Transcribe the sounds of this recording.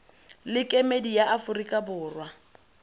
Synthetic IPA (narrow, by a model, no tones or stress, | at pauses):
lɪkʼɛmedijaʔafʊrikʼabʊːrwa